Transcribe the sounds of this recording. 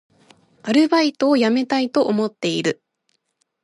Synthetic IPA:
aɾɯ̟bait̪o̞ːjame̞t̪ait̪o̞ʔomo̞t̪ːe̞iɾɯ̟

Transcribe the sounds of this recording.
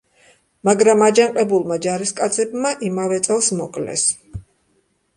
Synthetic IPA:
maɡɾamad͡ʒaɴqʼɛbulˠmad͡ʒaɾiskʼat̪sʰɛbmaʔimavɛt̪sʼɛlˠsmɔkʼlɛ̰s

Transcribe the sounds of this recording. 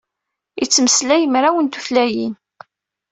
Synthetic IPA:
it͡sːməslæjəmɾawənt̪u̥flæjin

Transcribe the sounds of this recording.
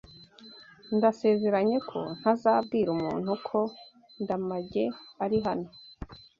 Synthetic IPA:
ndase̞ːze̞ɾaɲe̞kʰo̞̰n̥hazaːbɡiːɾumṵːn̥hukʰo̞ | ndamaɟe̞aɾiɦano̞

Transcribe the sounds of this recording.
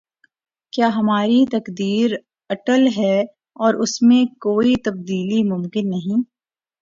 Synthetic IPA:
kjaːɦɐmaːɾit̪ɐkd̪iːɾ | ɐʈəlɦɛː | ɔːɾʔʊsmẽkoːit̪ɐb̚d̪iːlimʊmkɪnːɐɦĩː

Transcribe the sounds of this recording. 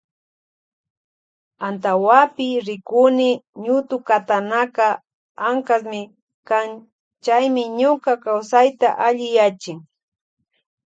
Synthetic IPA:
ant̪awapɪɾɪkʊnɪɲʊt̪ʊkat̪anaka | aŋkasmɪ | kan | t͡ʃajmɪɲʊkakawsajt̪aʔaʎɪjat͡ʃɪŋ

